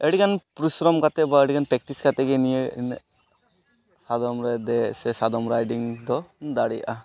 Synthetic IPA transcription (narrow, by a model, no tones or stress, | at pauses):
eɽikanpɾisɾɔmkat̪ɛbaeɽikanpɛkʈiskat̪ɛɡenijen | sad̪ɔmɾɛd̪ɛsɛsad̪ɔmɾajɖiŋd̪ɔnd̪aɽijʔa